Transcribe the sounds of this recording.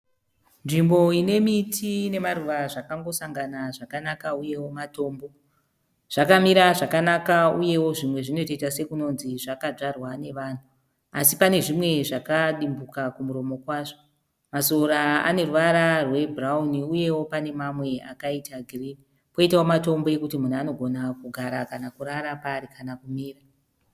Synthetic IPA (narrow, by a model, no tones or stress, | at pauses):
nʐimbo̞ine̞mitʰine̞maruʋaʐakaŋɡo̞saŋɡanaʐakanakauje̞wo̞mato̞ːmbo̞ | ʐ̥akamiɾaʐakanakauje̞wo̞ʐimwe̞ʐino̞toitase̞kuno̞nziʐakad͡ʐarwane̞ʋan̤u | asipane̞ʐimwe̞ʐakaɗimbukakumuɾo̞mo̞kwaːʐo | maso̞ɾaa̰ne̞ruʋaɾarwe̞bʱrauniuje̞wo̞pane̞mamwe̞a̰kaitaɡʱrini | po̞itaomato̞mbo̞je̞kutimun̤ano̞ɡʱo̞nakuɡʱaɾakanakuɾaɾapaːɾikʰanakumiːra